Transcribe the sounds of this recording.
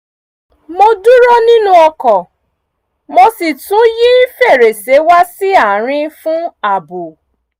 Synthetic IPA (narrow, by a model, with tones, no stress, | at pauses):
mo˧du˦ɾo˦nĩ˦nũ˦ɔ˧kɔ˨ | mo˧si˨tũ˨˦ji˦i˦fe˦˨ɾe˨se˨˦wa˦si˦a˨ɾ̃ĩ˦fũ˦a˨bo˨